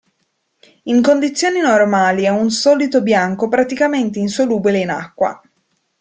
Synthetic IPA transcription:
iŋkond̪it̪sːjoːninormaːliɛunsɔːlit̪objaŋkopɾat̪ikament̪einsoluːbileina̰kːwa̰

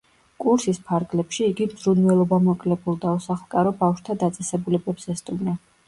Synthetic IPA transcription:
kʼuɾsispʰaɾɡlɛpʃiːɡimz̥ɾunwɛlˠɔbamɔkʼlɛbʰulˠd̪ausaχlˠkʼaɾɔbafʃt̪ʰad̪at̪sʼɛsɛbulɛbɛpsɛst̪ʼumna

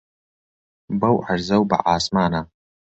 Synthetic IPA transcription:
bɐwʕarzɐwba̰ʕaːsmaːna

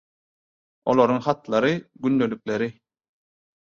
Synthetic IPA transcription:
o̞̰lˠoɾuŋχɑt̪lˠɑɾɯɡynd̪e̞lyk̚le̞ɾi

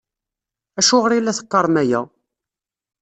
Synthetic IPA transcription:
æʃʊʁəɾilːæθə̥qːɑɾˤmæjæ̰

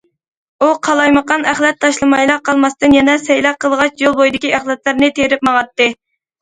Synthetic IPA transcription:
uqʰɑlˠɑjməqɑnæχlˠɛt̪ʰːɑʃlˠɨmɑjlˠɑqʰːɑlˠmɑst̪ɨnjɛnɛsɛjlɑqəlˠʁɑt͡ʃjolˠbojd̪ɪkʲiæχlɛt̪lɨɾnɨt̪ʰeɾɪp̚mɑʁɑt̪ːɨ

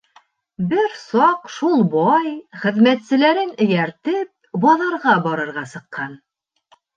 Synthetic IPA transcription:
bɘɾsɑqʃulˠbɑjχɘ̆ðmæt̪sɘ̆læɾɘnɵ̆jæɾt̪ɘp̚bɑðɑɾʁɑbɒɾɤ̆ɾʁɑsɤ̆qːɑn

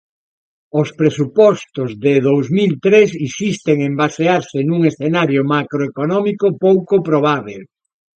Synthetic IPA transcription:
ospɾesupɔst̪ozðeðowzmilt̪ɾesisist̪eŋembaseaɾsɪnuŋesθenaɾjomakɾoekonɔmikopowkopɾoβ̞aβ̞el

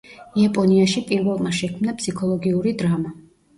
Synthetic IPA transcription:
iapʼɔniaʃipʼiɾvɛlˠmaʃɛkʰmnapʰsikʰɔlˠɔɡiuɾid̪ɾama

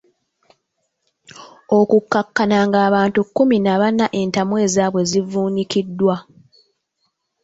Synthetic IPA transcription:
o̞kukːakːanaŋɡaːβaːntukːuminaβanaʔe̞ntamwe̞ːzaːβwe̞zivuːɲikidːwa

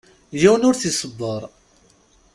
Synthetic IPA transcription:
jæwənʊɾθisˤəbːəɾˤ

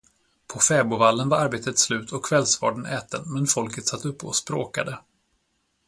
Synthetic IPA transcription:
pʰɔfɛːbʊvalːənvaɾaɾbeːt̪ət̪slʉ̟ːt̪ʰɔkʰːv̥ɛlsvɑ̰ːɖənʔɛːt̪ənmɛnfɔlkət̪sat̪ːɵpːɔ̰spɾo̰ːka̰d̪ə

